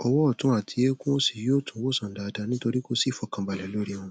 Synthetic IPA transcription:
ɔ˧wɔ˦ɔ˦˨tũ˨˦a˦˨tʰi˧je˦kũ˦o˦si˨jo˦˨tʰũ˨˦wo˦˨sã˨n̩˨da˨˧da˧˨nĩ˦to˧ɾi˦ko˦si˦˨fɔ˨˧kã˧ba˨lɛ˨lo˦ɾi˦ɔ̃˧

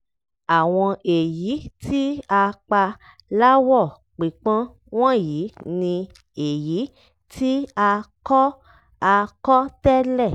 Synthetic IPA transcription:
a˨w̃ɔ̃˧e˨ji˨˦tʰi˦a˧k͡pa˧ | la˦wɔ˦˨ | k͡pi˨k͡pã˦ | w̃ɔ̃˦ji˨˦nĩ˧ | e˨ji˨˦ | tʰi˦a˧kɔ˦ | a˧kɔ˦tɛ˦lɛ˦˨

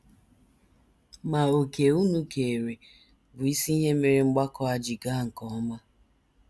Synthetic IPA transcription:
ma˨o˨ke˨u˦nu˦ke˨ɾe˨ | bʊ˨i˦si˦i˦ɦe˦me˨ɾi˨ŋ͡m̩˦ɡ͡ba˦kɔ˦a˨d͡ʒɪ˨ɡa˦˨ŋ̩˨kɔ˨˦ma˦

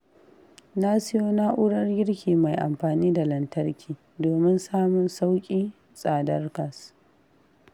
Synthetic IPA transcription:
na˦sɪ˦joː˦na˦ʔʊ˦ɽɐ˦rɡʲɪ˦ɽkʲiː˨ma˨jʔa̰˨mɸaː˨niː˦da˨lɐ˨ntɐ˦rkʲʰiː˨ | doː˨mɪ˦nsaː˦mʊ˨nsa˦wkʲʼiː˦ | sʼaː˨dɐ˦rkɐ˨s

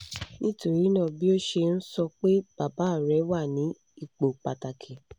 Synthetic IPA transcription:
nĩ˦to˦˨ɾi˨˦nã˦˨bi˦o˦ʃe˧n̩˦sɔ˧k͡pe˦b̥a˨ba˨˦˨ɾɛ˨˦wa˦˨nĩ˨˦ | i˨k͡po˨k͡pa˨ta˨kʰĩ˨

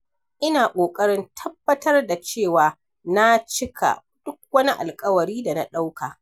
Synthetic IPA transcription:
ʔɪ˦naː˨kʷʼoː˨kʼɐ˦ɽɪ˦ntʰɐ˦bːɐ˦tɐ˦rda˨t͡ʃeː˦˨waː˨ | na˦t͡ʃɪ˦kʰa̰˨ | d̥ʊ˦k̚wɐ˦ni˦ʔa̰˨lkʼɐ˦wɐ˨ɽiː˦da˨na˦ɗa˦wkaː˨

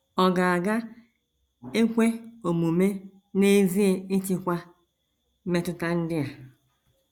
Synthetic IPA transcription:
ɔ˨ɡa˨a˨ɡa˦ | e˦kʷe˦o˨mu˨me˦ | ne˦zi˦e˦ɪ˦t͡ʃi˦kʷa˦ | me˦tʊ˦ta˦n̩˦dɪ˦a˨

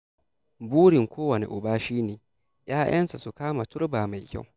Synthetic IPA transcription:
buː˦ɽɪ˨ŋkʷoː˦wɐ˨nḛ˨ʔʊ˨baː˦ʃiː˦neː˨ | jaː˦j̰ɐ˦nsa˨su˨kaː˦ma˨tʊ˦ɾbaː˨ma˨jkʲa̰˦˨w

